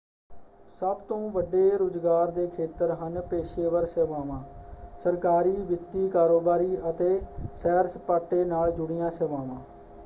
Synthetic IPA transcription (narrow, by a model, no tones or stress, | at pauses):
səbt̪õːʋəɖːeːɾoːd͡ʒɡaːɾd̪eːkʰeːt̪əɾɦənpeːʃeːʋəɾseʋaːʋãːsəɾkaːɾiːʋɪt̪ːiːkaːɾoːbaːɾiːʔət̪eːʃɛːɾspaːʈːeːnaːld͡ʒʊɽɪjãːsəʋaːʋãː